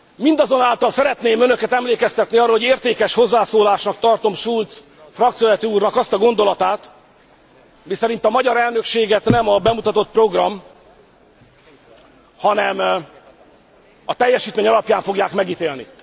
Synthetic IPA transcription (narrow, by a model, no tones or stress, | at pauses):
mind̪ɒzo̞naːlt̪ɒlsɛɾɛt̪neːmønø̞kɛt̪ɛmleːkɛst̪ɛt̪niɒrːolhoeːrt̪eːkɛʃho̞zːaːsoːlaːʃnɒk̚t̪ɒrt̪o̞mʃult̪s | frɒkt̪sijolɛt̪iuːrnɒkɒst̪ɒɡo̞nd̪o̞lɒt̪aːt̪ | misɛɾint̪ɒmɒɟɒɾɛlnø̞kʃeːɡɛt̪nɛmɒbɛmut̪ɒt̪o̞t̪̚pro̞ɡrɒm | hɒnɛm | ɒt̪ɛjːɛʃiːt̪meːɲɒlɒpjaːɱfo̞ɡjaːkmɛɡiːt̪eːlnḭ